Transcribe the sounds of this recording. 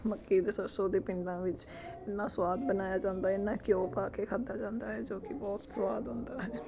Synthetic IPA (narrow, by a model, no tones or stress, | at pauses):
məkːiːd̪esəɾsoːd̪eːpɪ̃ɳɖãːʋɪt͡ʃ | ɪnːãːswaːd̪̚bənaːjaːd͡ʒãːnd̪aːɦɛɪnːãːkjõːpaːkeːkʰad̪aːd͡ʒãːnd̪aːɦɛːd͡ʒoːkɪbɔːt̪səwaːd̪ɦʊ̃nd̪aːɦɛː